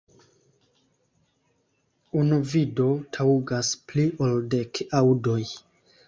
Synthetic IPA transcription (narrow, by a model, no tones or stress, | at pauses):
unuvido̞tʰauɡaspliʔoldekawdo̞j